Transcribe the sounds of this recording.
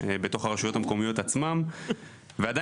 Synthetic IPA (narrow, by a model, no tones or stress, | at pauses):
ebet̪o̞χaʁeʃujo̞t̪hamko̞mijo̞tat͡smam | vead̪a